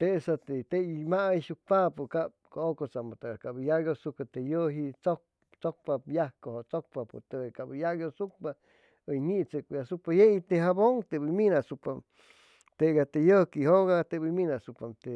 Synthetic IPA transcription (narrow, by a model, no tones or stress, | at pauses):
t̪esat̪et̪eimaiʃuk̚papukap̚kookot͡samot̪aɡakabəjaɡjosukat̪ejəɦit͡so | t͡sok̚papjahkohot͡sok̚papṵt̪eekaʔbəjaɡjosuk̚pa | əjnit͡səkjasupajeit̪eɦaboŋt̪ebiminasupam | t̪eɡat̪ejəkiɦoɣat̪ebiminasupamt̪e